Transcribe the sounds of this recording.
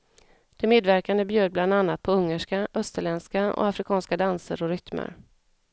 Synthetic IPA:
d̪̥ɛmeːd̪væɾkand̪əbjøːd̪̚bland̪anːat̪̚pʰɔɵŋːəʂkaʔœst̪əɭɛnskaɔ̰afɾɪkʰɑːnskad̪ansə̰ɾɔɾʏt̪mə̰ɾ

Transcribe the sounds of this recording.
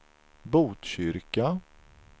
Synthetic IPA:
buːt̪ɕʏɾka

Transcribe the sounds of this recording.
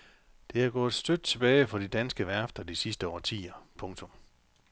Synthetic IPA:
d̥e̝æɐɡ̥ɔ̰̽ːð̩ˠsd̥ød̥t͡sʰe̝b̥ɛːɪfɒ̽d̥id̥ænsɡ̥əʋæɐfd̥ɐd̥isisd̥əɒ̰ːt͡sʰḭːɐpʰɔ̽ŋt͡sʰɔ̽m

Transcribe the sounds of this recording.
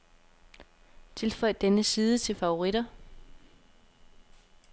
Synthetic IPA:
t͡sʰe̝lfɒ̽ɪ̰d̥enəsiːðˠət͡sʰe̝lfɑ̈o̝ʁiɾ̥ɐ

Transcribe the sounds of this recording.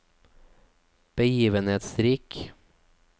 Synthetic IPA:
b̥əjiːʋənheːt̪sɾiːk

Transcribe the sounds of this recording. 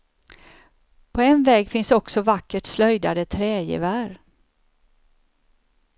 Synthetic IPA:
pʰɔɛnvɛːɡfɪnsɔksɔvakːəʈslœjd̪ad̪ət̪ʰɾɛːjɪ̰væɾ

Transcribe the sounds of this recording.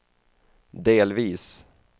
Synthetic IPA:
d̪eːlviːs

